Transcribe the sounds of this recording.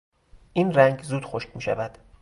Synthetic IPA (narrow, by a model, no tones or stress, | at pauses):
ʔinræŋɟzuːd̪̥xoʃcmiːʃæ̰væd̪̥